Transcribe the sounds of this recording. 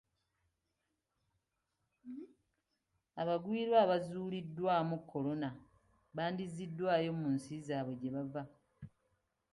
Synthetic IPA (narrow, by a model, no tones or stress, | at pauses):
aβaɡwiːɾwaːβazuːlidːwaːmukʰːo̞lo̞na | βaːndizidːwaːjo̞munsizaːβwe̞ɟe̞βava